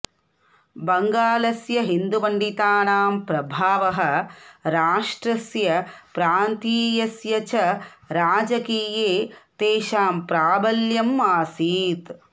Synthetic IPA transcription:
bɐŋɡaːlɐsjɐɦind̪uʋɐɳɖit̪aːɳaːmpɾɐbʱaːʋɐɦɐ̆ɾaːʂʈɾɐsjɐpɾaːnt̪iːjɐsjɐt͡ʃɐɾaːd͡ʒɐkiːjeːt̪eːʃaːmpɾaːbɐljɐmːaːsiːt̪

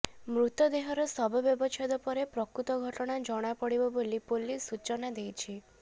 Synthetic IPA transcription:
mɾut̪ɔd̪eɦɔɾɔsɔbʱɔbjɔbɔt͡ʃʰɔd̪ɔpɔɾepɾɔkɾut̪ɔɡʱɔʈɔɽ̃ad͡ʒɔɽ̃apɔɽibɔbolipolisut͡ʃɔnad̪ejt͡ʃʰi

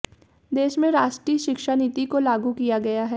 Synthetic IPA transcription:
d̪eːʃmẽɾaːʃʈɾiːʃɪkʃaniːt̪ikolaːɡukijaɡɐjaɦɛː

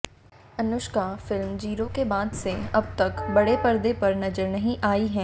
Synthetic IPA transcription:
ɐnʊʃkafɪlmd͡ʒiːɾokebaːd̪seɐb̚t̪ɐkbɐɽepɐɾd̪epɐɾnɐzəɾnɐɦĩʔaːiɦɛ̃ː

